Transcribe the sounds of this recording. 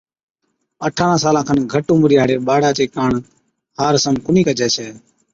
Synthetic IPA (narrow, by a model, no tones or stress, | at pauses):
əʈʰaːɾãːsaːlãːkʰənɡʱəʈũːmɾiːaːɽeːɓaːɽaːt͡ʃeːkaːɳ | haːɾsəmkʊniːkəd͡ʒɛːseː